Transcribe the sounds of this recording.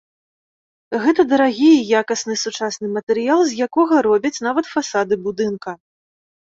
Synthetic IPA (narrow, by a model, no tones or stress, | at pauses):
ɣɛt̪ɐd̪ɐɾaɣʲijjakɐsnɨsut͡ʂasnɨmɐt̪ɛɾɨjalˠzʲjakɔɣɐɾɔbʲɐt͡sʲnavɐt̪fasad̪ɨbud̪ɨnkɐ